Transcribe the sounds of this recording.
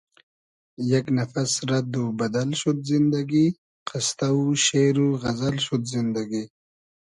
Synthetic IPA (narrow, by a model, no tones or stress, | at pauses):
jɐknɐfasɾɐd̪ubɐd̪alʃud̪zɪnd̪aɡi | qɪst̪auʃeɾuɣɐzɐlɕud̪zɪnd̪aɡi